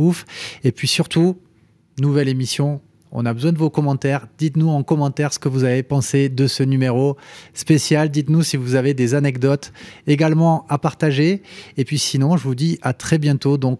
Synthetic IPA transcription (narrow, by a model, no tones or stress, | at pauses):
ufepɥisyʁt̪u | nuvɛlemisjɔ̃ | ɔ̰̃nabəzwɛ̃d̪əvokɔmɑ̃t̪ɛʁd̪̥it̪nuɑ̃kɔmɑ̃t̪ɛʁsə̥kəvuzavepɑ̃sed̪əsənymeʁospesjald̪it̪nusivuzaved̪ezanɛkd̪ɔt̪eɡalmɑ̃apaʁt̪aʒeːpɥisinɔ̃ʒəvud̪iʔat̪χɛbjɛ̃t̪od̪ɔ̃k